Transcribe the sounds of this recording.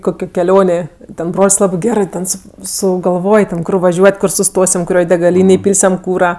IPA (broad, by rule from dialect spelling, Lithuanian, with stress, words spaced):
ˈkoːkʲoː kʲɛˈlʲoːnʲeː tʲɛn ˈbroːlʲsʲ ˈlˠɑːbɜ ˈɡʲæːrɜ tʲɛn sʊ sʊɡɐlˠˈʋoːj tʲɛn ˈkʊr ʋɐˈʒʲuɔtʲ ˈkʊr sʊˈstoːsʲɪm kʊˈrʲoːj dʲɛɡɐˈlʲiːnʲeːj ˈpʲiːlʲsʲɛm ˈkuːrɐ